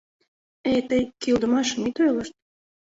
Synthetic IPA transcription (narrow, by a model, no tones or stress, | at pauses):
et̪ejkild̪ə̆mɑʃəmit̪øjlə̆ʃt̪̚